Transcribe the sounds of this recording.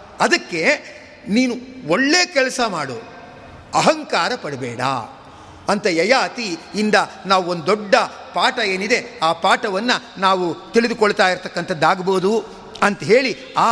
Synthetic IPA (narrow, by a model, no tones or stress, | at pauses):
ɐd̪ɐkːe̞ | niːnuoɭːeːkɛlɐsɐmaːɽu | ɐɦɐŋkaːɾɐpɐɽibɛːɽa̰ | ɐnt̪ɐjɐjaːt̪iːnd̪ɐnaːʋuond̪ɔɖːɐ | paːʈɐe̞ːnid̪e̞aːpaːʈɐʋɐnːɐnaːʋut̪iɭid̪ukoɭːt̪aːjiɾt̪ɐkːɐnt̪ɐd̪ːaːɡɐboːd̪u | ɐnt̪ɐɦe̞ːɭi | aː